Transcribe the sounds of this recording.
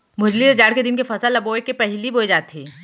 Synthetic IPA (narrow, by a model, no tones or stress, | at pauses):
mʊd͡ʒlised͡ʒaːɽked̪ɪnkefɐsəlːɐboːekepɛɦliboːid͡ʒaːt̪ːiː